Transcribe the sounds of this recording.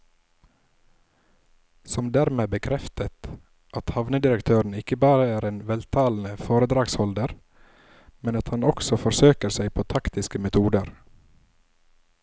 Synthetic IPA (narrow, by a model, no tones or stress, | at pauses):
sɔmd̪æːɾmeːbəkʰɾɛft̪ət̪ | ʔɑt̪hɑʋnəd̪ɪɾəkt̪ʰøːɾɳ̩ɪkəbɑːɾəæːɾeːnʋɛlt̪ʰɑːln̩əfoːɾəd̪ɾɑːɡshɔld̪əɾ | mɛnɑt̪hɑnɔksɔfɔɾsøːkəɾsæɪpʰoːt̪ʰɑkt̪ɪskəmɛt̪ʰuːd̪əɾ